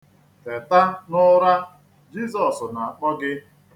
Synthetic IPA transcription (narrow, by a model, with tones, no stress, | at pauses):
te˨ta˦nʊ˦ɾa˦ | d͡ʒi˦zɔ˨sna˨a˨k͡pɔ˦ɡɪ˦